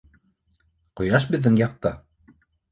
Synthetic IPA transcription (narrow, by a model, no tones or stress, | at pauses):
qŏjɑʃ̬bɘ̆ðːɘŋjɑq̚t̪ɑ